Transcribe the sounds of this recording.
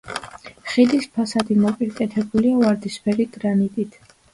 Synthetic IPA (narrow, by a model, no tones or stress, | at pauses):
χid̪ispʰasad̪imɔpʼiɾkʼɛt̪ʰɛbuliavaɾd̪ispʰɛɾit̪ʼɾanit̪ʼit̪ʰ